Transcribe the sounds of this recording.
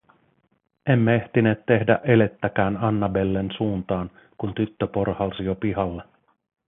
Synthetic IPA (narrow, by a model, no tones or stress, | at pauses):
e̞mːee̞ht̪ine̞ːt̪tːe̞hdæ̰ʔe̞le̞t̪ːæk̟æːnɑnːɑbe̞lːensuːnt̪ɑːn | kunt̪yt̪ːøpo̞rhɑlsijopihɑlːe